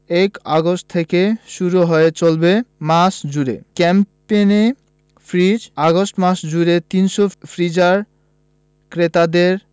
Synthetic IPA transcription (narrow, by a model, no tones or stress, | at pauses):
ekaɡosʈ̚t̪ʰːekeʃuɾuɦɔet͡ɕolbemasd͡ʑuɾḛkɛmpene | fʰɾid͡ʑaɡosʈmaʃd͡ʑuɾet̪inʃofʰɾid͡ʑaɾ | kɾet̪ad̪eɾ